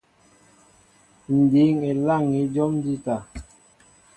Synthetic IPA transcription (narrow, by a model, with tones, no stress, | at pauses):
n̩˨di˨˦ŋe˨la˦˨ŋi˨˦d͡ʒɔ˦m˦di˦ta˨